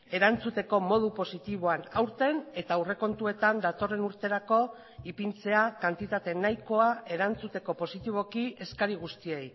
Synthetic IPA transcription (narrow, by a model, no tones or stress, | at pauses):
e̞ɾant͡sut̪e̞ko̞mo̞ð̞upo̞sit̪iβ̞o̞anawɾt̪e̞ne̞t̪aure̞ko̞nt̪ue̞t̪and̪at̪o̞re̞nuɾt̪e̞ɾako̞ | ipint͡se̞akant̪it̪at̪e̞najko̞ae̞ɾant͡sut̪e̞ko̞po̞sit̪iβ̞o̞kie̞skaɾiɣ̞ust̪ie̞j